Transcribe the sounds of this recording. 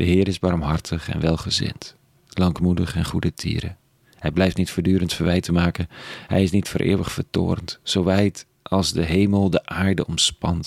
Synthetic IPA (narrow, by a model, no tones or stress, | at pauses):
d̥əɦɪːɾɪzbɑɹmɦɑɹtʰəχɛ̰nʋɛlˠχəzɪ̰nt | lɑŋkmudəχɛnχudətʰḭːɾə̰ | hɛjblɛjftnitfʊːdyːɾəntfəɹʋɛjtəmaːkənɦɛ̰jɪsnitfʊ̰ːɾʔɪ̰ːwəχfəɹto̰ːrntsowʋɛjt | ɑlˠzdəɦejməlˠdəʔaːɹdəɔmspɑnt